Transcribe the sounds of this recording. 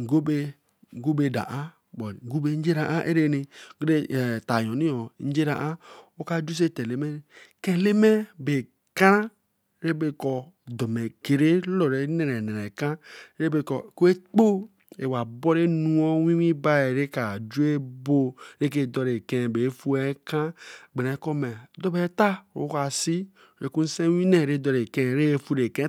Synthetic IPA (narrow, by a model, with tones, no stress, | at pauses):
ŋ̩˨ɡo˦be˦ | ŋ̩˦ɡo˦be˨da̰˨ʔa˦ | bɔ˨ŋ̩˨ɡu˦be˨n̩˦d͡ʒe˦ɾa˨ʔa˦ʔḛ˦ɾe˦ne˨ɡe˦˨ta˨jɔ˨ni˦ɔ˨˦n̩˦d͡ʒe˦ɾa˨ʔa˦o˦ka˦d͡ʒu˦s̬e˦te˨le˨me˦˨ke˨le˦me˦be˨ | ka˦ɾa˦ | ɾe˦be˦kɔ˨ | do˨me˨ke˨ɾe˦lo˨ɾe˨˦ne˨ɾe˨ne˨e˨ka˦ɾe˦be˨kɔ˨ko˦e˦k͡po˦ | e˨wa˨bɔ˦ɾe˦nũ˦ɔ˦wĩ˦wĩ˦ba˦e˨ɾe˦ka˨d͡ʒu˦e˦bo˦ɾe˦k̬e˦dɔ˨ɾe˨kɛ̃˦˨be˨˦fu˦ɛ˦kã˦ɡ͡be˨nɛ˨˦kɔ˦mɛ˨dɔ˦be˨˦ta˦˨o̰˦ka˨si˦˨ | ɾe˨ku˦n̩˦sẽ˦wĩ˦ne˨ɾe˦dɔ˨ɾe˨kɛ̃˦˨ɾe˦e˦fu˦ɾe˨kɛ̃˦